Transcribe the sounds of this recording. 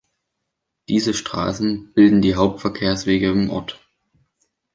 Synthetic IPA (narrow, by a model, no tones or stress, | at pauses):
d̥iːzəʃtʁ̥a̰ːsn̩b̥ɪldn̩diːɦaʊp̚tfɛɐkʰeːɐsv̥eːɡəɪmʔɔ̰ɐt